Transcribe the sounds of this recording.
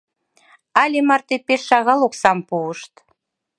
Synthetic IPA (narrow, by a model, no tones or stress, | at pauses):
ɑlʲemɑrt̪epeʃːɑɣɑlˠoksɑmpuəʃt̪